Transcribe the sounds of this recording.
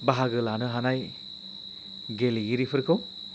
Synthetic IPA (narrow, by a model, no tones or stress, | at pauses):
baɦaɡɯlanɯɦanaj | ɡeliɡiɾipʰɯɾkʰɯw